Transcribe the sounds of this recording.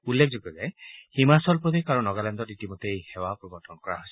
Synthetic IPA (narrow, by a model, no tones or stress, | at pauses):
ulːek̚ʰd͡ʒɔɡɔzɛhimasɔlpɔd̪ikaɹunɔɡalɛnd̪ɔitimɔtejhɛwapɹɔbɔɹtɔnɔkɔɹa̰ɦojs